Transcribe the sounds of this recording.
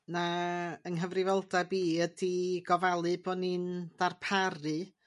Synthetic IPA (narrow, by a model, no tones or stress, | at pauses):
naənɦəvrɪvɔlˠdabiːədiɡ̥ɔvalˠɨbɔnind̥arpʰarɨ